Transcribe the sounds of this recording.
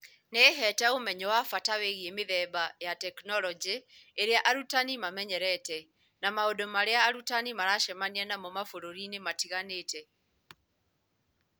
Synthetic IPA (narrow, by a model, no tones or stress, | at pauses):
neɦɛtɛomɛɲɛwafataweɣiemeðɛbajatɛknɔlɔd͡ʒeːɾeaʔaɾutanimamɛɲɛɾɛtɛ | namaodomaɾeaːɾutanimaɾaʃɛmaniɛnamɔmafoɾoɾinematiɣaneːtɛ